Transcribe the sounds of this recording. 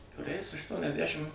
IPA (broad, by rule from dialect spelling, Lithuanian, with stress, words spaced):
kʊˈrʲɛɪs ɐʃtuɔnʲɛzʲˈdʲæʃʲɪm